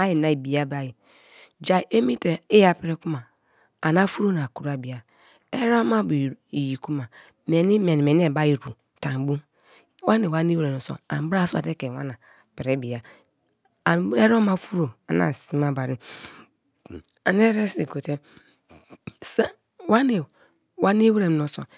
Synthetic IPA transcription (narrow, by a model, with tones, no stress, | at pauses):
a˦ji˨na˨i˨bi˨a˦ba˨ji˨ | d͡ʒa˨ʔe˦mi˦te˨e˦ja˨pi˨ɾe˦ku˦maː˨ | na˦fu˦ɾo˦na˨ku˨ɾa˨bi˨a˨ | e˦ɾo˦ma˦bi˨ji˨ku˦ma˨ | me˨ni˦me˨ni˨me˨n˦e˦˨ba˦ji˨ɾu˨ | tã˨m˨bu˦ | wa˦ne˨wa˦ni˦wɾe˨o˨so̰˨a̰˨m˨bɾa˦sa̰˨te˦ke˨wa̰˦na˨ | pi˨ɾe˦bi˨a˨ | e˦ɾo˦ma˦fu˦ɾo˨a˨na̰˨si˦ma˦ba˨ɾi˦ | a˨ne˦ɾe˦si˨ko˨te˦ | sa˦ | wa˦ne˨ | wa˦ni˦wɾe˨m˨o˨so̰˨